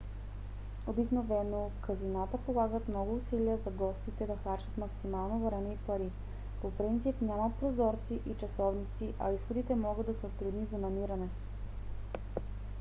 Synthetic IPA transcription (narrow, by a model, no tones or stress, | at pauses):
obiknovɛnokəzinat̪əpolˠaɡət̪mnɔɡʊːsiliəzɐɡɔst̪it̪ɛd̪ɐxaɾt͡ʃət̪mɐksimalˠnovɾɛmɛipɐɾi | popɾint̪sipnʲamɐt̪̚pɾozɔɾt̪siʔit͡ʃɐsɔvnit̪siʔɐisxod̪it̪ɛmɔɡəd̪ɐsɛot̪ɾud̪nizɐnɐmiɾɐnɛ